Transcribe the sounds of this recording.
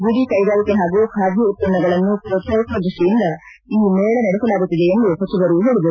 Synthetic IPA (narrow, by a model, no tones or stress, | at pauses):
buɡikɐjɡaːlikeɦaːɡukʰaːbʱiut̪̚pɐnːɐɡɐɭɐnːupɾɔt̪ɐɾkɐd̪ɾuʂʈijind̪ɐ | iːmeːɭɐnɐɽɛsɐlaːɡut̪ːid̪e̞end̪usɐt͡ʃiʋɐɾuɦeːɭid̪uɾ